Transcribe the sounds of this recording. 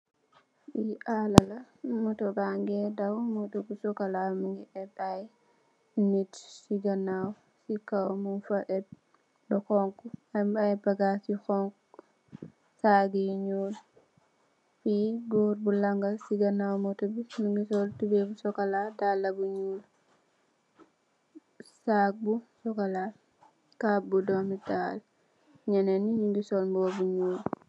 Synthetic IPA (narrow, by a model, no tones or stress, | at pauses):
iʔalɐlɐ | mɔtɔbaŋɡɛdawmɔtɔbusɔkɐlamuŋɡiʔɛbaj | nitsiɡɐnaw | sikawmunfɐʔɛt̚ | dɔxɔŋkuamajbɐɡasixɔŋk | saːɡiɲɔːl | fiɡuːɾbulɐŋɡɐsiɡɐnawmɔtɐbinuŋɡisɔltubebusɔkɐladalːɐbuɲuːl | sak̚busɔkala | kabudɔmital | ɲɐnɛnːiɲuŋɡisɔːlmbɔːbuɲuːl